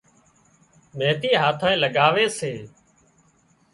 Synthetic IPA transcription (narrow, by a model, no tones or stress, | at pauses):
meːt̪iːɦaːt̪ʰãːẽːləɠaːʋeːseː